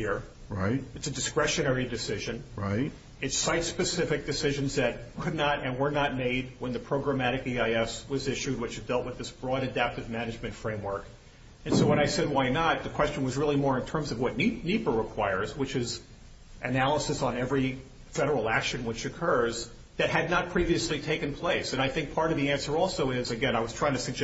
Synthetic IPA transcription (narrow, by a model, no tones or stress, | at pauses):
hɪɹ | ɹa̰ɪt̚ɨtsɨdɨskɹɛʃɨ̃ñɛɹidɨsɪʒɨ̃nɹaɪt | ɨtsaɪtspɨsɪfɨk̚d̥ɨsɪʒɨ̃nzðɨt̚kʰɨdⁿnəɾɨ̃nwə˞nət̚meɪd̚wə̃nðɨpʰɹ̥oʊɡɹɨmæɾɨkiaɪɛswʌzɪʃʉd̚wɨt͡ʃɨdɛlˠʔ̚wəðɪsb̥ɹɔɾɨdæp̚tɨvmænɨd͡ʒmɨ̃ntfɹẽɪ̃mwɜ˞k | ɨ̃nsoʊwə̃ɾ̃aɪsɛd̚waɪnət̪̚ðɨkʰw̥ɛst͡ʃɨ̃n̩wʌzɹɪlˠimɔɹɨ̃ntʰɜ̃˞mzʌvwʌtⁿninipə˞ɹəkʰw̥aɪə˞zwɨt͡ʃɪz | ʔɨnælˠəsɨsn̩ɛvɹi | fɛɾə˞l̩ˠækʃɨ̃nwɨt͡ʃɨkʰɜ˞z | ðɨt̚ɦɨdⁿnət̚pʰɹ̥iviɨslitʰeɪkɨ̃npʰl̥eɪsɨ̃naɪθɪ̃ŋk̚pʰɑɹɾʌvðiæ̃nsə˞ɔlˠsoʊɪzɨɡɛ̃ñaɪwʌz̥tʰɹ̥aɪɪ̃ŋtʰɨsɨɡ̚d͡ʒ